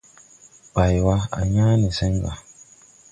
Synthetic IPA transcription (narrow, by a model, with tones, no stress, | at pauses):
k͡pa˨ji˨wa˦a̰˨ɲa˦ne˨se˦ŋ˦ɡa˨